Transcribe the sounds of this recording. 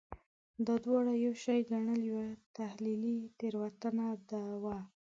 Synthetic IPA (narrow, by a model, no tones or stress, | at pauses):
d̪əd̪wɑɽajawʃɑjɡaɳəljawat̪ahlilit̪eɾwat̪anad̪awa